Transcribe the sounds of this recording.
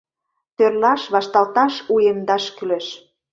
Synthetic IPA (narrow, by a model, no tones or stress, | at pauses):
t̪ørlɑʃβɑʃt̪ɑlt̪ɑʃujemd̪ɑʃkyleʃ